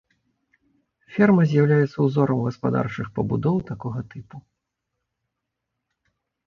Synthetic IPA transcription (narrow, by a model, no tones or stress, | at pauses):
fʲɛrmɐzʲjawlʲajɛt̪sːɐwzɔɾɐmɣɐspad̪a̰rt͡ʂɨxpɐbud̪ɔwt̪akɔɣɐt̪ɨpu